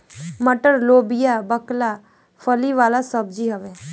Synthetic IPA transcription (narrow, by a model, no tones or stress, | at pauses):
məʈəɾloːbɪjabəkla | fʰəliʋaːlasəb̚d͡ʒiɦəʋe